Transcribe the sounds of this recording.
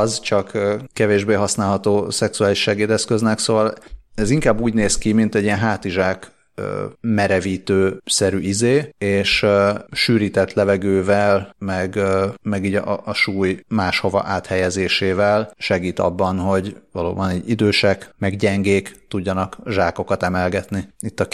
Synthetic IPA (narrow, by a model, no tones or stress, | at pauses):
zt͡ʃɒkːkɛveːʒbeːɦɒsnaːlɦɒt̪oːsɛksuaːliʃɛɡeːd̪ɛskøznɛksoːvɒlɛziŋkaːbːuːɟneːskimint̪ɛɟːiɛnɦaːt̪iʒaːk | ø̰mɛɾɛviːt̪øːsɛɾyːizeːeːʃʃyːɾiːt̪ɛt̪lɛvɛɡøːvɛlmɛɡmɛɡiːɟːʃuːjmaːʃho̞vɒ̰ʔaːt̪hɛjɛzeːʃeːvɛlʃɛɡiːt̪ɒ̰bːɒnɦo̞ɟvɒlo̰ːbɒniːɟid̪øːʃɛkmɛɡɟɛŋɡeːkt̪uɟːɒnɒkʒaːko̞kɒt̪ɛmɛlɡɛt̪niit̪ːɒ